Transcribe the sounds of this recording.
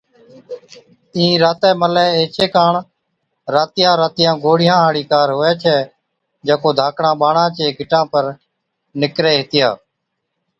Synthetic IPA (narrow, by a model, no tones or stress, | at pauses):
ĩːɾaːt̪ɛːməlɛːeːt͡ʃeːkaːɳ | ɾaːt̪ɪjãːɾaːt̪ɪjãːɡoːɽɪjãːɦaːɽiːkaːɾɦʊːɛːt͡ʃʰɛː | d͡ʒẽːkoːd̪ʱaːkɳãːɓaːɳãːt͡ʃeːɡʱɪʈãːpəɾ | nɪkɾeːɦɪt̪ɪjaː